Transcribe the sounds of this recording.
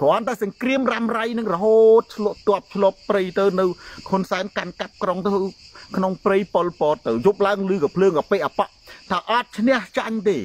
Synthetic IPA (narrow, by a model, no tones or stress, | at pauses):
kɔənt̪aɛsɑŋkriəmramrajnɨŋrɔɦoːt̪̚t͡ɕʰlʊ̆əʔt̪ŏəp̚t͡ɕʰlŏəpːrɨjt̪ɨwnɨwkʰunsaɛnkankap̚kroŋt̪ɨwkʰnoŋprɨjpolpɔːt̪ːɨwjup̚laəŋlɨːkɔpʰləːŋkapeːʔapaʔt̪ʰaːʔɑt̪̚t͡ɕʰnɛ̆əht͡ɕaɲt̪eː